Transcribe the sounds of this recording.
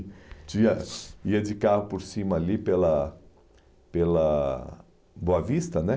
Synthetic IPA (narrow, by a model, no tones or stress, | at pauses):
t͡ʃĩɐiɐd͡ʒɪkahʊpoɾsĩmɐːlipelɐ | pelɐ | boɐvist̪ɐnɛ